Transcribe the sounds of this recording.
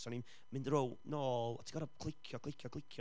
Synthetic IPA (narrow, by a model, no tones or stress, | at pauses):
sɔnim | mɪ̃ndrownɔa̰tʰi̥ɡɔɾabkʰl̥ˠɪkʰjɔkʰlˠɪkʰjɔkʰlˠɪkʰjɔ